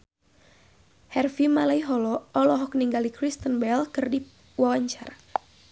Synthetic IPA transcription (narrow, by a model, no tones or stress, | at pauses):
hɛrfimalaiɦɔlɔʔɔlɔɦɔk̚niŋɡalikɾist̪ənbɛlkɨrdi | wawaɲt͡ʃaɾa